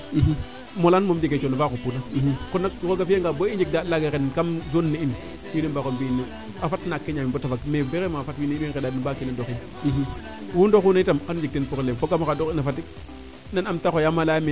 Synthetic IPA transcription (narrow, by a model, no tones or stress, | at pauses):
molanmomd͡ʒeket͡ʃonavakopunakonːakkoɡafeŋɡaboind͡ʒik̚dalaɡekenkamzonːein | winimbakombinːe | afatnakːeɲamibotafakmebeɣemafatwineiminkedanubakinadoxin | wundoxunaitamanud͡ʒik̚denpuklemfoɡamakadoxinafat̬i | nanamtaxojamalajme